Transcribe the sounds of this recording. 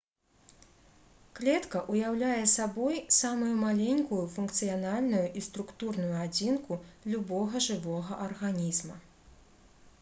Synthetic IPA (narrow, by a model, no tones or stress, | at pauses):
klʲɛt̪kɐʔujawlʲajɛsabɔjsamujumalʲenʲkujufunkt̪sɨjanalʲnujuʔist̪ɾukt̪urnujuad͡zʲinkulʲubɔɣɐʐɨvɔɣɐʔɐrɣanʲizmɐ